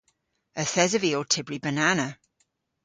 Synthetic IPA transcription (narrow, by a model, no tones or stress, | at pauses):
əθɛzəviotʰɪbɹibənanə